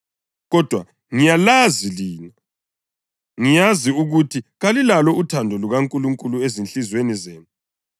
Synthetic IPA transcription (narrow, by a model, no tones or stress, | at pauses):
ɣɔd̥ʱwa | ŋijalaziliːna | ŋijaziuɣutʰiɣalilalɔutʰandʱɔluɣaŋkʼuluŋkʼuluezinɬʼizwenizeːnu